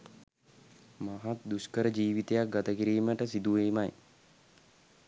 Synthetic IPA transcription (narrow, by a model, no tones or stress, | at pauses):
maɦat̪̚d̪uskəɾəd͡ʒiːʋit̪ejak̚ɡat̪əkiɾiːməʈəsid̪uʋeːmaj